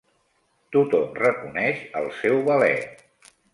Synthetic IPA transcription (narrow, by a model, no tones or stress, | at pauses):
t̪ut̪ɔmrəkunɛʃə̰lˠsɛwβəlɛ̰